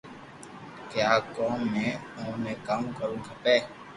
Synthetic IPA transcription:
kɪjaːkoːmːẽːõːneːkamkəɾũːkʰəpeː

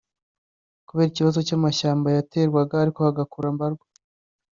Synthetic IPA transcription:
kuβeːɾiciβazo̞camaʃaːmbajate̞ːɾɡwaɡaːɾiko̞haɡakuɾambaɾɡwa

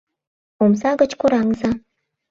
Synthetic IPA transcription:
omsaɡɐt͡ʃkʷʊɾaŋza

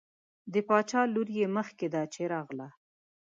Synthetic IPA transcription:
d̪əpɑt͡ʃɑluɾjeməxked̪at͡ʃeɾɑɣla

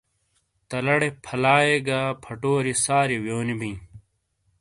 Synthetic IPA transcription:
t̪ɐlɐɽepʰɐlaːjeɡaːpʰɐʈoːɾisaːɾiwjoːnibĩː

